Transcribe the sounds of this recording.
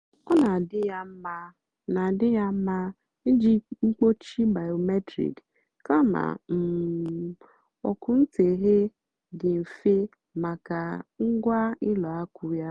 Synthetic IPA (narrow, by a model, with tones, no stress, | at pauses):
ɔ˦na˨dɪ˦ja˦m̩˦ma˦ | na˨dɪ˦ja˦m̩˦ma˦ | n̩˦d͡ʒi˦ŋ͡m̩˦k͡po˦t͡ʃi˦ba˨jo˨me˦tɾḭ˨k | ka˦ma̰˨m̩˨ | ɔ̰˨kʊ˨n̩˦te˨ɦe˦ | ɡɪ˨m̩˨fe˦ | ma˨ka˨ŋ̩˦ɡʷa˦ɪ˦lɔ˨a˦kʊ˦ja˦